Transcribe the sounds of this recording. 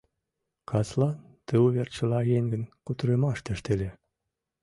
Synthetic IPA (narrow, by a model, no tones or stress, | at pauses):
kʰɑslɑ | t̪ə̆uβert͡ɕə̆lɑjeŋɡə̆nkut̪ɾemɑʃt̪ĕʃt̪elʲe